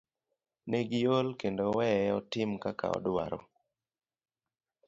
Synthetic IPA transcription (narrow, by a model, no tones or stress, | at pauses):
neɡjolkendowɛɔtɪmkaka̰ɔ̰dwa̰ɾɔ̰